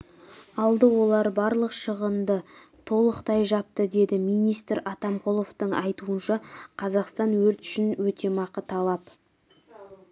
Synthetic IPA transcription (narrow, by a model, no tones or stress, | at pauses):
ɑlˠd̪əwo̞lˠɑɾbɑɾlˠəqʃəʁənd̪ət̪ʰo̞lˠəqt̪ɑjʒɑp̚t̪əd̪e̞d̪ɪmijnijst̪ɾɑt̪ɑmqʰo̞lˠo̞ft̪əɴɑjt̪uənʃɑqʰɑzɑqst̪ɑnwɵɾt̪ʏ̥ʃɪnwɵt̪ʰe̞mɑqət̪ʰɑlˠɑp